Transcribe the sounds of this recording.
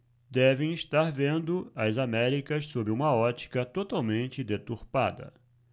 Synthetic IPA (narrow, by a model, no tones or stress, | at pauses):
d̪ɛvẽj̃iʃt̪aɾvẽnd̪ʊɐzamɛɾikɐssobɾɪũmɐɔt͡ʃi̥kɐt̪ot̪awmẽnt͡ʃɪd̪et̪uɾpa̰d̪ɐ̰